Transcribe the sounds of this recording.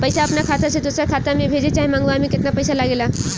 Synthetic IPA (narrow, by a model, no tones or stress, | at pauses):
pəjsaɐpnakʰat̪ased̪usɾakʰat̪amẽbʱed͡ʑet͡ɕaɦimaŋɡʋaamikɪt̪napəjsalaɡela